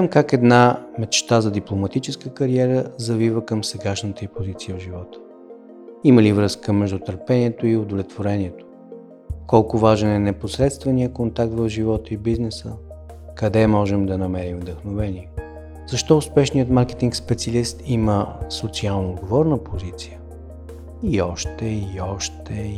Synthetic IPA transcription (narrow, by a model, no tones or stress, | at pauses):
zamkakɛd̪namɛt͡ʃt̪azɐd̪iplˠomɐt̪it͡ʃɛskəkɐɾiɛɾəzɐvivəkəmsɛɡaʃnət̪əipozit̪sijəvʒivɔt̪ə̥ | iməlivɾɤskəmɛʒd̪ʊt̪əɾpɛniɛt̪oiʊd̪ovlɛt̪voɾɛniɛt̪o̥ | kɔlˠkʊvaʒɛnɛnɛposɾɛt̪st̪vɐniəkont̪ak̚t̪vəfʒivɔt̪əibiznɛsəkɐd̪ɛmɔʒɛmd̪ɐnɐmɛɾimvd̪əxnovɛniɛ | zɐʃt̪ɔʊspɛʃniət̪maɾkɛ̥t̪iŋkspɛt̪siɐlist̪iməsot̪sialˠnoːd̪ɡovɔɾnəpozit̪sijə | iɔʃt̪ɛiɔʃt̪ɛ